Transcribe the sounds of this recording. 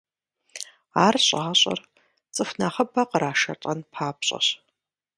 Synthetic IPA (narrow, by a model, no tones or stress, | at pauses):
aːrɕʼːɕʼɐ̰r | t͡sʼɨfnaχəbɐqəɾaːʃɐtʼɐnpʰaːpɕʼɐ̰ɕ